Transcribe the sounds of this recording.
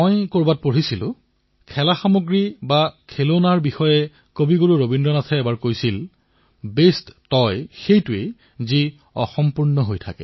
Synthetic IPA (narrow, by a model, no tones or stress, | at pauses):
mojkoɹbat̚poɹisilʊ̰̃ | kʰɛlaxamoɡɹibakʰelonaɹbixɔjɛ | kobiɡoɹuɹobindɹɔnatʰɛɛbaɹkojsil | besttɔjxejtʊe | zi | ɔ̰xɔmpuɹnɔɦojtʰa̰kɛ̰